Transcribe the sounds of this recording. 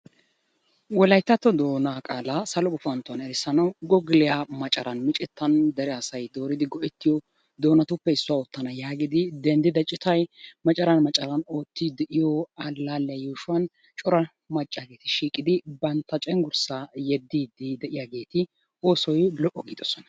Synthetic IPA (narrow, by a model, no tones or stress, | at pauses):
wɔlɐjt̪ːɐt̪ːɔd̪o̞ːnaːkʼaːlɐsɐlɔɡʊfɐnt̪ːʊɐnɛɾɛsːɐnɐwɡɔɡɪlɪjamɐt͡ʃʼɐɾɐnmɪt͡ʃʼɛt̪ːɐnd̪ɛɾɛɐsɐjd̪o̞ːɾɪd̪ɪɡɔʔɛt̪ːɪjɔ | d̪o̞ːnɐt̪ʊpːɛɪsːʊaɔt̪ːɐnɐjaːɡɪd̪ɪd̪ɛnd̪ɪd̪ɐt͡ʃʼɪt̪ɐjmɐt͡ʃʼɐɾɐnmɐt͡ʃʼɐɾɐno̞ːt̪ːiːd̪ɛʔɪjɔɐlːaːlːɛjjuːʃʊɐn | t͡ʃʼɔɾɐ | mɐt͡ʃʼːaːɡe̞ːt̪ɪʃiːkʼɪd̪ɪbɐnt̪ːɐt͡ʃʼɛŋɡʊɾsaːjɛd̪ːiːd̪ɪd̪ɛʔɪjaːɡe̞ːt̪ɪ | o̞ːsɔjlɔʔːɔɡiːd̪ɔsɔnɐ̥